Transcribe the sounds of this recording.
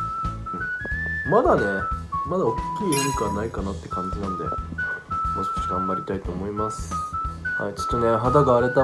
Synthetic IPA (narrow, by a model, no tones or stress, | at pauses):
ɯ̟̃ɴmad̪ane̞mad̪aokʲːiːemʲikanaikanat̪ːe̞kãɲ̟d͡ʑinãnod̪e̞̰ | moɕi̥ko̥t͡ɕi̥t̪ãmːaɾʲḭt̪ait̪o̞ːmo̞imasɨ̥ha̰it͡ɕo̥t̪ːane̞ɦad̪aɡaːɾe̞t̪a